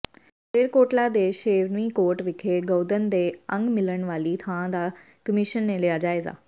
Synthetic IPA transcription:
peːɾkoːɾʈlad̪eʃeːʋnʋĩkoːɾʈʋɪkʰeɡəːd̪ənd̪eə̃ŋɡmɪləɽ̃ʋaːlit̪ʰãd̪a | kəmiʃənːẽlijad͡ʑaːeza̰ː

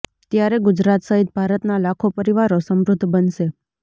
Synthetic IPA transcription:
t̪jaɾeɡʊd͡ʒɾat̪səɦit̪̚bʱaɾət̪nalakʰopəɾiʋaɾosəmɾʊd̪ʱːbənʃe

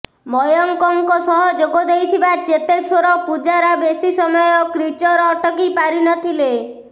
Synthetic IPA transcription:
mɔjɔŋkɔŋkɔsɔɦɔd͡ʒoɡɔd̪ejt̪ʰibat͡ʃet̪esoɾɔpud͡ʒaɾabesisɔmɔjɔkɾit͡ʃɔɾɔʈɔkipaɾinɔt̪ʰile

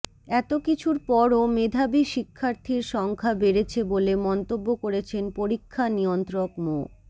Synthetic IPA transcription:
ɛt̪okit͡ɕʰuɾpɔɾomed̪ʱabiʃikʰːaɾt̪ʰiɾʃɔŋkʰabeɾet͡ɕʰebolemɔnt̪obːokoɾet͡ɕʰenpoɾikʰːanijont̪ɾokmo

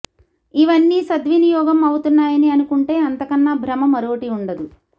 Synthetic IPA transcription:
iʋɐnːiːsɐd̪ʋinijɔːɡɐmɐwut̪unːaːjɐniɐnukuɳʈe̞ːɐnt̪ɐkɐnːaːbʱɾɐmɐmɐɾoːʈiuɳɖɐd̪u

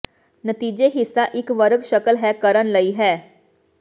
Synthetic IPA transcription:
nət̪iːd͡ʒeɦɪsːaʔɪkʋəɾəɡʃəkəlɦɛkəɾənlɐiɦɛː

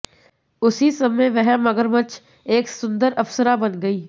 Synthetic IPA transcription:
ʊsisɐmẽʋɛɦmɐɡəɾmət͡ʃʰ | eːksʊ̃nd̪əɾɐfsəɾabɐnɡɐiː

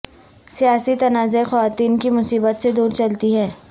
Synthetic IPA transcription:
sijaːsit̪ɐnaːzexɔʋaːt̪iːnkimʊsiːbət̪sed̪uːɾt͡ʃɐlt̪iɦɛː

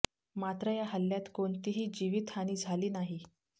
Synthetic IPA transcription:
mat̪ɾəjaɦəlːjat̪koɳt̪iɦiːd͡ʑiʋiːt̪aɽ̃iːd͡zʱaliːnaɦi

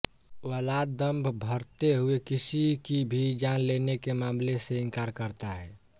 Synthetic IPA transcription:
wəlaːd̪ːəmbʱbʱəɾt̪eɦuekɪsikibʱid͡ʒanlenekemaːmleseɪ̃ŋkaːɾkəɾt̪aɦɛː

